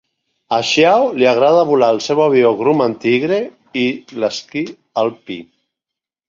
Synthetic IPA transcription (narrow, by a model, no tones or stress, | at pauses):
aʃjawliaɣ̞ɾað̞aβulalsɛwaβjoɣɾumant̪iɣɾe | ilaski | alpi